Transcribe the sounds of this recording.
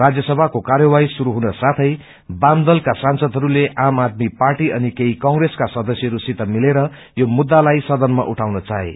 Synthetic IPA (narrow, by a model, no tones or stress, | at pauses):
rad͡zjʌsʌbʱakokarjʌwajsuɾuɦunʌsat̪ʰʌj | bamd̪ʌlkasansʌd̪ʱɦʌɾuleʔamad̪̚miparʈiʔʌnikeikʌŋɡreskasʌd̪ʌsjʌɦʌɾusit̪ʌmileɾʌ | jomud̪ːalajsʌd̪ʌnma̰ʔuʈʰawnʌt͡saɦḛ